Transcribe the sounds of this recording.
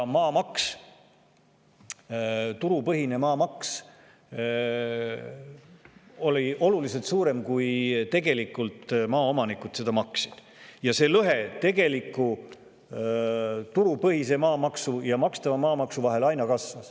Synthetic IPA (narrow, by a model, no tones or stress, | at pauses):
mɑːmɑks | t̪uɾupɤɦine̞mɑːmɑks | o̞liʔo̞lulis̬e̞lt̪suːɾe̞mkujt̪e̞ɡ̥e̞likˑːult̪mɑːo̞mɑnikud̪̥se̞d̪̥ɑmɑksid̪̥ | jɑse̞lɤɦe̞t̪e̞ɡ̥e̞likːˑu | t̪uɾupɤhise̞mɑːmɑksujɑmɑkst̪ɑvɑmɑːmɑksuvɑɦe̞lɑjnɑkɑsvɑs